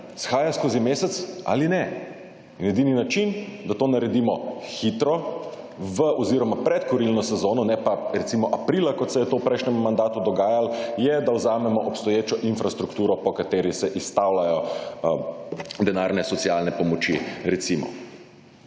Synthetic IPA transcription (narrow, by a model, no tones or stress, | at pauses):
sxaːjaskoːzimeːsɛt̪sa̰linɛ | injɛd̪iːninat͡ʃind̪at̪oːnaɾɛd̪imɔxit̪ɾɔ | ʋəʔɔziɾɔmapɾɛt̪kɔɾilnɔsɛzoːnɔnɛpaɾɛt̪simɔʔapɾilakɔt̪sɛjɛt̪owpɾɛɪjʃnʲɛmːand̪aːt̪ud̪ɔɡaːjaljɛd̪awzaːmɛmɔʔɔpst̪ɔjeːt͡ʃɔʔinfɾast̪ɾukt̪uːɾɔpɔkat̪eːɾisɛʔist̪awlajɔ | d̪ɛnaːɾnɛsɔt̪sijalnɛpɔmɔt͡ʃiɾɛt̪simɔ̰